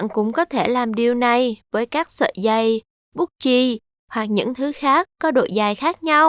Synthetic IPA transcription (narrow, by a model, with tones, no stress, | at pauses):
ŋkʊ̰˧˥ŋ͡mkɔ˨˦t̪ʰe˧˩laː˨˩mɗi˨˩əwna˨˩jvəː˨˦jkaː˦˥k̚sə̰ː˧˨zə˨˩j | ɓu˦˥k̚t͡ɕi˧˩ | hwa˨˩k̚ɲɨ̰˧˥ŋt̪ʰɨ˨˦xaː˦˥kːɔ˨˦ɗo̰˧˨jzaː˨˩jxaː˦˥k̚ɲa˧w